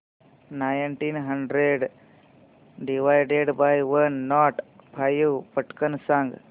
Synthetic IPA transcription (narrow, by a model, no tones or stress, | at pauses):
najnʈinɦəɳɖɾeɖ | ɖiʋajɖeɖbajʋənːɔʈpʰajupəʈkənsãŋɡ